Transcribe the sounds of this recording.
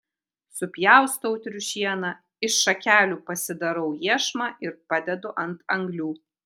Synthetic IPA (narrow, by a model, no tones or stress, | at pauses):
sʊpʲjæˑʊst̪ɔʊt̪ʲɾʲʊʃʲiɛnɐ | ɪʃːɐkʲæːlʲuːpɐsʲɪd̪ɐɾɐʊjiɛʃmɑːʔɪɾpɑd̪ʲɛd̪ʊʔɐnt̪ɐŋɡlʲuː